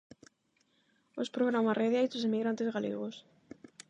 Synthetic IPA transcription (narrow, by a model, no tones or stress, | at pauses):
ospɾoɣ̞ɾamareðeajzosemiɣɾant̪ezɣalḛɣos